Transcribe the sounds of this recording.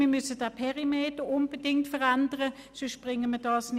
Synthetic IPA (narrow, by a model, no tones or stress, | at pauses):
miːɐmʏsəd̥apʰɛʁimeːtəʊnb̥ədɪŋtfəʁandəʁə | søʃb̥ʁɪŋəməɐd̥ɑːsn